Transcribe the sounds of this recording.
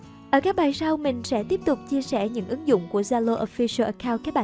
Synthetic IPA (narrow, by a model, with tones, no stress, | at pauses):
ʔəː˧˩kaː˦˥k̚ɓaː˨˩jsa˧wmï˨˩ŋ̟sɛ̰˧˥t̪i˦˥əp̚t̪ʊ˨˩k͡p̚t͡ɕi˧əsɛ˧˩ɲɨ̰˧˥ŋʔɨ˨˦ŋzʊ̰˧˨ŋ͡mku˧˩əzaː˧lo˧ʔo˧fi˧sə˧ʔə˨˩kaː˧wkaː˦˥k̚ɓa̰ː˧˨